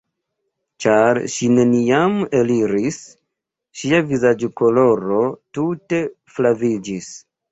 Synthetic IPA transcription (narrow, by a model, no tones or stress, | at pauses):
t͡ʃaɾʃine̞nijame̞liɾis | ʃiavizad͡ʒko̞lo̞ɾo̞tute̞ | flavid͡ʒis